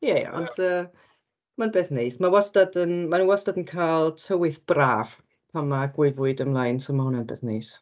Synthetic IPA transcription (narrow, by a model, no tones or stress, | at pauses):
jɛj̰ɔ̰ndəː | manbeːθnejsmawɔstadənmanuwastadənkʰaːlˠtʰəwɨθb̥raːv̥ | pʰamaɡwɪɨvʊɨdəmlˠajnsomahʊnanbḛθnejs